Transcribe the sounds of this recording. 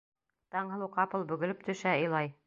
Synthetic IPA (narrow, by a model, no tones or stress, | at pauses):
t̪ɑɴhɤ̆lˠuqɑpɤ̆lˠbɵ̆ɡɵ̆lɵp̚t̪ɵ̆ʃæɤ̆jlˠɑj